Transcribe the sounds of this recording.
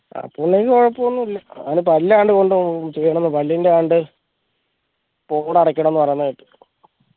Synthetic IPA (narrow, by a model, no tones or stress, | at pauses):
a̰pːuɳːeikːɨoɻɐpːuonːuilːɐa̰nɨp̬ɐlːeaːɳɖɨko̞ɳɖɨt͡ɕejːɐɳ̃menːɨpɐlːiindeaɳɖɨ | po̞ːɽɐɽɐkʲːɐɳɐmenːɨpɐrɐjnːɐjiʈːɨ̥